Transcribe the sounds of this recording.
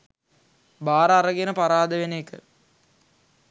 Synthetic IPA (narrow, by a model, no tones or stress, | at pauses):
baːɾɐaɾəɡenəpaɾaːd̪əʋenekə